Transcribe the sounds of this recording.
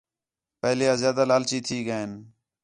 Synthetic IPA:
pəɦleːaːzjaːd̪aːlaːlt͡ʃiːt̪ʰiːɡəːen

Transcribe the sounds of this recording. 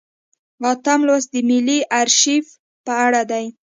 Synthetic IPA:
ʁɑt̪amlwasd̪əmɪliʔaɾʃif | pəaɽad̪aj

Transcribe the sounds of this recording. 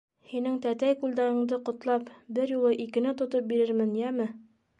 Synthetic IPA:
hinɘŋt̪æt̪æjkʉld̪æɾɤ̆ɴd̪ɤqŏt̪lˠɑpbɘɾjulˠɤʔikɘ̆nɘt̪ŏt̪op̚biɾɘɾmɘnjæmɘ

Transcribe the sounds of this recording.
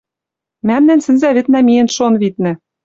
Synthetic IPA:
mæmnænsɘ̆nzæβɘ̆t̪næmijĕnʃonβit̪̚nɘ̆

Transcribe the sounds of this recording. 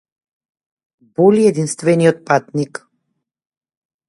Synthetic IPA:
bɔliɛd̪inst̪vɛnijɔt̪̚pat̪nik

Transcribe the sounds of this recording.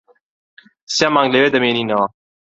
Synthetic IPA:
sjamãŋɡlewed̪əmeninɔ

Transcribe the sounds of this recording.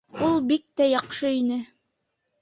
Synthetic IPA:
ulˠbik̚t̪æjɑqʃɤinɘ

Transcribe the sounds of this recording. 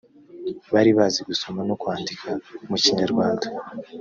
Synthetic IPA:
βaɾiβaziɡuso̞mano̞kwaːndikʰamuciɲaɾɡwaːnda

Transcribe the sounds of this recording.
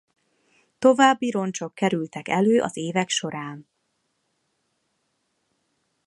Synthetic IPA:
t̪o̞vaːbːiɾo̞nt͡ʃo̞kːɛɾylt̪ɛkɛløːʔɒ̰zeːvɛkʃo̞ɾaːn

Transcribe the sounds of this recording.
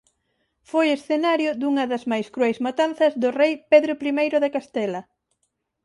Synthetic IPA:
fojesθenaɾjʊd̪uŋɐðɐzmajskɾuɛjsmat̪anθɐzðʊrejpeðɾʊpɾimejɾʊðekast̪ɛlɐ

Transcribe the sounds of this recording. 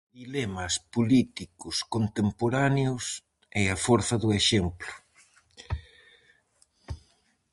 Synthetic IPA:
d̪ilɛmɐspolit̪ikʊskont̪empoɾaneʊs | ɛafɔɾθɐðʊeʃemplʊ̥

